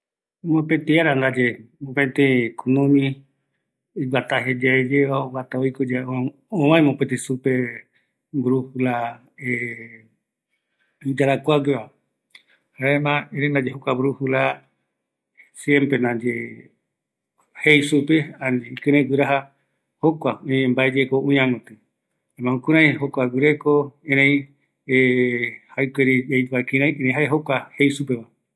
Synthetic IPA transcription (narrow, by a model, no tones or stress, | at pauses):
mãpet̪iaɾand̪ad͡ʒemõpẽt̪ẽkʰunõmĩ | iɡat̪aɦed͡ʒaed͡ʒeβaoɡat̪aoikod͡ʒa | õβãẽmõpet̪ĩsupe | ɡuɾuhula | e | id͡ʒaɾakʷaɡeβa | haemãiɾind̪ad͡ʒeɦukaβɾuhula | sjempɾenãd͡ʒe | hejsupeaniikɨ̃ɾẽɡɨɾaɦa | hokʷaũɲẽmbaed͡ʒekoũɲãmɨ̃t̪ɨ | amãmũkũɾ̃ãj̃ɦokʷaɡɨɾekoeɾẽj̃ | ehajkʷeɾiejakiɾ̃ãj̃ʔeɾẽj̃ɦaeɦokʷahejsupeβa